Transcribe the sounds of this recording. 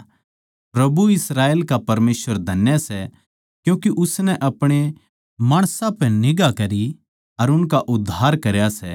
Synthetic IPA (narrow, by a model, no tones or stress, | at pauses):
pɾɐbuɪsɾaːeːlkapɐɾmeːsʋəɾd̪ʱɐnjəsɛ | kjũːkiʔʊsnɛʔɐpɽ̃e | maːɽ̃sãpɛ̃nɪɡakɐɾi | ɐɾʊnkaʔʊd̪ʱːaːɾkɐɾjasɛ̰ː